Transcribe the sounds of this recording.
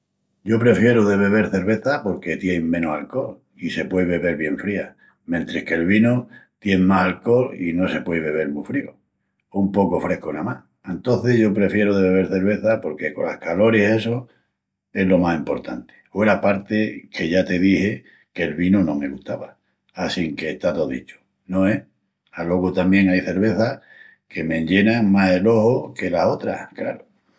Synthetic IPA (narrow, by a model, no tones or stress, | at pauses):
ɟ͡ʝo̞pɾe̞fje̞ɾoðe̞βe̞β̞e̞ɾθe̞ɾβe̞θapo̞ɾke̞t̪jeŋmẽ̞nosalko̞l | ise̞pweβe̞βe̞ɾβje̞ɱfɾia | mjent̪ɾehke̞lβ̞inot̪je̞ŋmasalko̞lino̞se̞pwe̞jβe̞βe̞ɾmufɾio | umpo̞ko̞fɾe̞hkonamah | ent̪o̞nθe̞ʝo̞pɾe̞fje̞ɾoðeβe̞βe̞ɾθe̞ɾβ̞e̞θapo̞ɾke̞ko̞la̰hkalo̞ɾie̞so | e̞ɦlo̞masimpo̞ɾt̪ant̪e̥weɾapaɾt̪e̞kʰe̞ʝat̪e̞ðihe | ke̞lβinonõme̞ɣuht̪aβa | asiŋkeːht̪at̪oðḭt͡ʃo̥ | nõ̞e | alo̞ɣot̪amje̞ŋajθe̞ɾβe̞θa | ke̞me̞ɲʎe̞naŋmaɦe̞lo̞hoke̞laso̞t̪ɾa̰kla̰ɾo